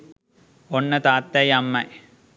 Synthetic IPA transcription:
onːət̪aːt̪ːɐjɐmːɐj

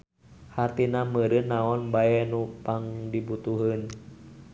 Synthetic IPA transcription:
hart̪inaməɾɨnːaɔnbaɛnupaŋdibut̪uɦən

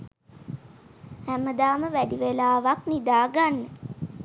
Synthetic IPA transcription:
hæməd̪aːməʋæɖiʋelaːʋaknid̪aːɡanːə

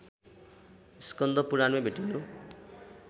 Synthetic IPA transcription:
iskʌnd̪ʌpuɾanmebʱeʈinu

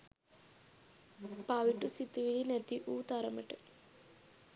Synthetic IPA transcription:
paːʋiʈusit̪iʋilinet̪ːiʔuːt̪aɾɐmɐʈɐ

